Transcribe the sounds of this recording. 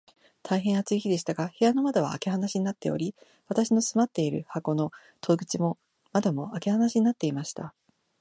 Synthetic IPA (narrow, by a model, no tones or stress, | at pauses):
t̪ʰaiɦẽɰ̃at͡sɨiçid̪e̞ɕi̥t̪aɡahe̞jano̞mad̪oβ̞a̰ːke̞ɦanaɕiɲ̟inat̪ːe̞o̞̰ɾʲi | βat̪aɕino̞sɨmat̪ːe̞iɾɯ̟hako̞no̞ | t̪ʰo̞ɡɯ̟t͡ɕimo̞ | mad̪omo̞ake̞hanaɕiɲ̟inat̪ːeimaɕi̥t̪a